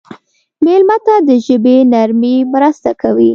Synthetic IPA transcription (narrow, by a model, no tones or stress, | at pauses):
melmat̪ad̪əʒəbenaɾmimɾəst̪akawi